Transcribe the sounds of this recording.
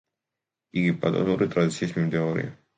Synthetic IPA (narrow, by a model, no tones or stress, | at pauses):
iɡipa̰d̪ɔ̰zuɾit̪ɾad̪it̪siismit̪ɛɔɾḭa̰